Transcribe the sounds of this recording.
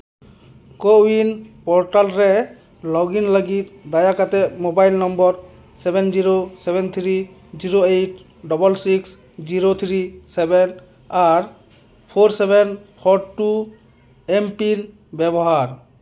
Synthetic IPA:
kowinpɔɾʈalɾɛ | lɔɡinləɡit̪̚d̪ajakat̪ɛmobajlnɔmbɔɾ | sɛbɛnd͡ʒiɾosɛbɛnt̪ʰɾi | d͡ʒiɾoejʈ | ɖɔbɔlsiks | d͡ʒiɾot̪ʰɾisɛben | aɾ | pʰoɾsɛbɛnpʰɔʈu | empin | bɛbɔɦaɾ

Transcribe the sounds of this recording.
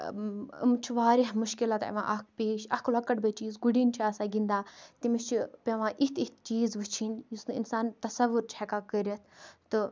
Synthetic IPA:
ḭmt͡ʃʰuʋaːɾiɦmuʃkilat̪ɐ̰ʋã̰ʔɐkʰpeːʃɐkʰlɐkɐʈbət͡ʃiːzɡuɽinʲt͡ʃʰaːsaɡind̪aːt̪imiʃt͡ʃʰipʲɐʋãʔit̪ʰiht̪t͡ʃiːzʋɨt͡ʃʰinjusnɨinsaːnt̪ɐsɐʋːuɾt͡ʃʰakakəɾʲɐt̪ʰt̪ɨ

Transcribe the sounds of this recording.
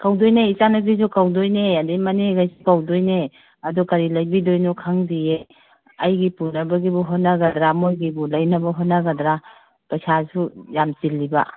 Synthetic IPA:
kawdojneit͡ʃanɐɡizukawdojneademɐneɡajsukawdojne | ɐdukɐɾilɐjbidojnukʰaŋdije | ɐjɡipunːɐbɐɡibuɦotnɐɡɐdɾamojɡibulɐjnɐbɐɦotnaɡɐdɾa | pɐsasujamtilːiba̰

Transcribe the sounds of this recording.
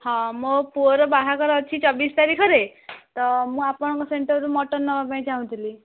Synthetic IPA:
hɔ̃mɔpuɔɾɔbaɦakɔɾɔːt͡ʃʰit͡sɔbist̪aɾikʰɔɾet̪ɔmũapɔɽ̃ɔkɔseɳʈəɾɾumɔʈɔɾnɔbapaĩd͡zaɦũt̪ʰili

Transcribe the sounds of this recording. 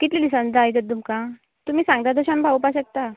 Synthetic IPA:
kit̪lilisə̃nd͡z̪aajt̪ət̪d̪umkã | t̪um̤iːsãŋɡd̪jad̪əɕãmbʱaʋupaɕək̚t̪a

